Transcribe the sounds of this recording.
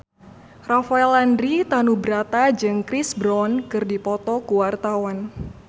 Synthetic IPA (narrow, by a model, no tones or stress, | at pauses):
rafaɛlandɾit̪anubɾat̪ad͡ʒɨŋkɾisbɾɔnkɨrdipɔt̪ɔkuwart̪awan